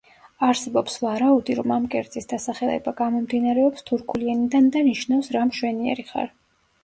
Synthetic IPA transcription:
aɾsɛbɔpsvaɾaud̪iɾɔmamkʼɛɾd̪zʼisd̪asaχɛɛ̰baɡamɔmd̪inaɾɛɔpst̪ʰuɾkʰulianid̪and̪aniʃnafsɾamʃwɛniɛ̰ɾiχa̰ɾ

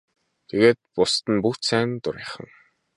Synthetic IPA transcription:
t̪ʰeɣeːt̪̚pʊst̪ə̆npuxt͡ɕsæːnt̪ʊɾiːχə̆ŋ

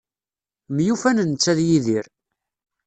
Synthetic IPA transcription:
mjufænənt͡sːæðjiðiɾ

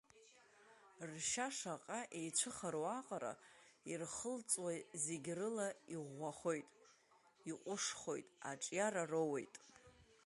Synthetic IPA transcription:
rʃaʂaqʼaʔejt͡ʃʷʰɨχaɾowaqʼaɾa̰irχəlt͡sʼwazeɡʲrɨlaiʁʷaχo̞jtʼ | iqʷʼʊʂχo̞̰jtʼa̰ʈ͡ʂʼjaɾarowe̞̰jtʼ

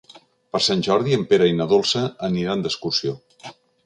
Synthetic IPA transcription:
pəɾsanʲʒɔɾðiəmpeɾəinəðolˠsəəniɾaənd̪əskusio

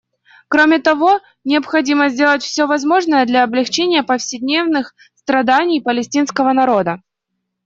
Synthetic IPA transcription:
kɾomʲɪt̪ɐvo̞ | nʲɪəpxɐdʲiməzʲdʲe̞lˠətʲfsʲɵvɐzmo̞ʐnəjəd̪lʲɐːblʲɪxt͡ɕenʲɪjəpəfsʲɪdʲnʲe̞vnɨx | st̪ɾɐd̪anʲɪjpəlʲɪsʲtʲin̪skəvənɐɾo̞d̪ə

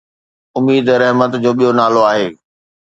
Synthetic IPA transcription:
ʊmiːd̪ɾɛɦmət̪d͡ʑoːɓijonaːloaːɦeː

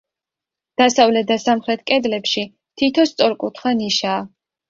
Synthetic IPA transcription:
d̪̥asavlɛt̪̚d̪asamχɾɛt̪ʰkʼɛd̪lɛpʃi | t̪ʰit̪ʰɔst̪sʼɔɾkʼut̪ʰχaniʃaː

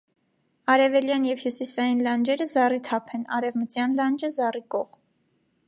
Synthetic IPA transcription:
ɑɾɛvɛljɑnjɛvhjusisɑjinlɑnd͡ʒɛɾəzɑrit̪ʰɑpʰɛnɑɾɛvmət͡sjɑnlɑnd͡ʒəzɑrikɔʁ

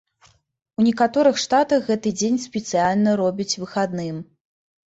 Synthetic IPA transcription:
unʲɛkat̪ɔɾɨxʂt̪at̪ɐxɣɛt̪ɨd͡zʲenʲspʲɛt̪sɨjalʲnɐɾɔbʲit͡sʲvɨxad̪nɨm

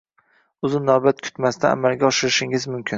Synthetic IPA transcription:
ʊzɪnːɒbat̪kʲʰʊ̥t̪mast̪aa̰malˠɡʲaɒʃɪɾɪʃɪŋɪzmʊmkʲʰɪn

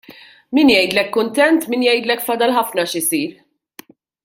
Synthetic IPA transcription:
miːnjɛjd̪lɛkːʊnt̪ɛnt̪miːnjɛjd̪lɛkːfɐd̪ɐlħɐfnɐʃɪsiːɾ

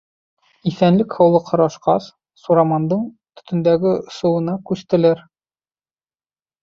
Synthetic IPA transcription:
ifænlɘkhɒwlˠɤqʰɒ̆ɾɑʃqɑ̰s | suɾɑmɑnd̪ɤɴ | t̪ɵ̥̆t̪ɵ̆nd̪æɡɘŏsɤ̆wɤ̆nɑkʉst̪ɘ̆læɾ

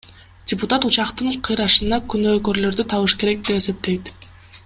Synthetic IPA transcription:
dʲɪput̪at̪ut͡ʃɑqt̪ɯɴqʰɯjɾɑʃɯnɑkynøːkø̞ɾlø̞ɾd̪yt̪ʰɑβɯʃke̞ɾe̞k̚d̪e̞pe̞se̞p̚t̪e̞jt̪

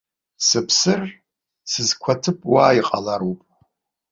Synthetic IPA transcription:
sɨpʰsɨr | sɨzkʷʰatʰɨpʼwaːiqʼalaɾupʼ

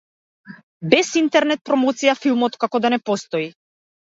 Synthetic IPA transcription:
bɛsint̪ɛɾnɛt̪̚pɾɔmɔt̪sijafilˠmɔt̪kakɔd̪anɛpɔst̪ɔi

